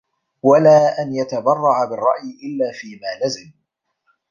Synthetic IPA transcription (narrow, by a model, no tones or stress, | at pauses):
walaːʔanjat̪abɑrˤːɑʕabɪrˤːɑ̰ʔjɪʔɪlːaːfiːmaːlazɪm